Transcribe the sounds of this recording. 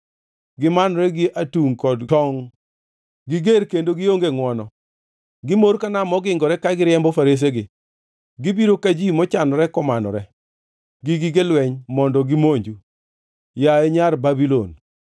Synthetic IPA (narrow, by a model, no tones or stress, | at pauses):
ɡɪmanɔɾɛɡɪʔatuŋkɔdtɔŋ | ɡɪɡeɾkendoɡɪoŋɡeŋwɔnɔ | ɡɪmoɾkanamɔɡɪŋɡɔɾɛkaɡɪɾɪɛmbɔfaɾes̬eɡɪ | ɡɪbiɾokad͡ʒimɔt͡ʃanɔɾɛkɔmanɔ̰ɾɛ | ɡɪɡɪɡelwɛɲmɔndɔɡɪmoɲd͡ʒu | jaeɲarbabilon